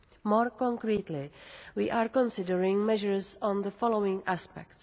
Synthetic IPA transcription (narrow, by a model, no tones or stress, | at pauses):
mɔːɹkɔ̃ŋkɾiːt̪lɪwiːʔaːɹkɔ̃nsɪdəɹɪ̃ŋmɛʒəɹzɔ̃nðəfɔlowɪ̃ŋʔaspɛ̰kts